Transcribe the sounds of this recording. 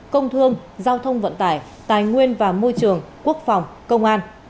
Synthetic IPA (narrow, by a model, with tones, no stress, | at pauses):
kə˧wŋ͡mt̪ʰɨ˧əŋ | zaː˧wt̪ʰə˧wŋ͡mvə̰˧˨nt̪aː˧˩j | t̪aː˨˩jŋwi˧ənvaː˨˩mo˧jt͡ɕɨ˨˩əŋku˦˥ək̚fa˨˩wŋ͡mkə˧wŋ͡mʔaː˧n